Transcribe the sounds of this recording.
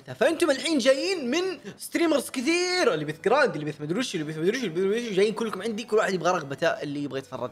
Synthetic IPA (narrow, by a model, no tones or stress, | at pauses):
t̪afaʔɪnt̪ʊmɪlħiːnd͡ʒaːjiːnmɪnst̪ɾiːmɑɾˤskɪθiːɾɪlːibiːθɡɾaːnd̪ɪlibiːθmad̪ɾuːʃɪlːibiːθmad̪ɾuːʃwlːibiɾuʃwd͡ʒaːjːiːnkʊlːkʊmʕɪnd̪ikʊlːwaːħɪd̪ɪbɣɑɾˤɑɣbat̪aːʔɪlːiɪbɣet̪fɑ̰rˤːɑ̰d̪